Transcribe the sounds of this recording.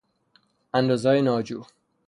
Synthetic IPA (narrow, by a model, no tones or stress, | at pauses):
ænd̪oːzɒːjenɒːd͡ʒuː